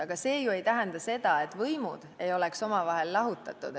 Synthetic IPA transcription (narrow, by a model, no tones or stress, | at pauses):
ɑɡ̥ɑse̞ːjue̞jt̪æɦend̪̥ɑse̞d̪ɑe̞t̪ːˑvɤjmud̪̥e̞jo̞le̞kso̞mɑvɑɦe̞lːɑɦut̪ːˑɑt̪ːˑṵd̪̥